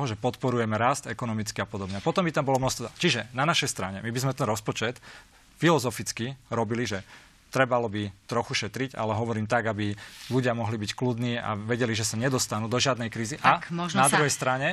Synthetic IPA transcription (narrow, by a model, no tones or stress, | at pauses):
ɦɔʒɛpɔt̪pɔɾujɛmɛɾast̪ɛkɔnɔmit͡skiapɔd̪ɔbɲɛpɔt̪ɔmbit̪ambɔlɔmnɔxst̪ɔt͡ʃiʒɛnanaʃɛjst̪ɾaɲɛmibizmɛt̪ɛnɾɔspɔt͡ʃɛt̪ | filɔzɔfit͡skiɾɔbiliʒɛ | t̪ɾɛbalɔbit̪ɾɔxuʃɛt̪ɾiɟa̰lɛɦɔʋɔɾiːmt̪aɡabiluɟɪamɔɦlibicklud̪niːa̰ʋɛɟɛliʒɛsaɲɛd̪ɔst̪anuːd̪ɔʒɪad̪nɛjkɾiːziʔanad̪ɾɾuɦɛjst̪ɾaɲɛ